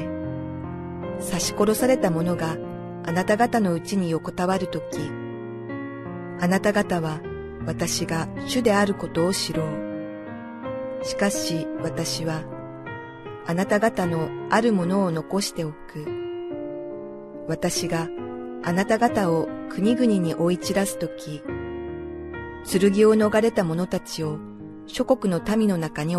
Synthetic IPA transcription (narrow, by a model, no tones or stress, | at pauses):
saɕi̥ko̞ɾo̞saɾe̞t̪amo̞no̞ɡa | anat̪aɡat̪ano̞ɯ̟t͡ɕiɲ̟ijo̞ko̞t̪aβaɾɯ̟t̪o̞kʲi | anat̪aɡat̪aβa | βat̪aɕiɡaɕɨd̪e̞aɾɯ̟ko̞t̪o̞ːɕiɾo̞ː | ɕi̥kaɕiβat̪aɕiβa | nat̪aɡat̪ano̞aɾɯ̟mo̞no̞ːno̞ko̞ɕi̥t̪e̞okɯ̟ | βat̪aɕiɡaanat̪aɡat̪ao̞kɯ̟ɲ̟iɡɯ̟ɲ̟iɲ̟iʔo̞it͡ɕiɾasɨ̥t̪o̞kʲi | t͡sɨɾɯ̟ɡʲio̞no̞ɡaɾe̞t̪amo̞no̞t̪at͡ɕio̞ | ɕo̞ko̞kɯ̟no̞t̪amʲino̞nakaɲ̟i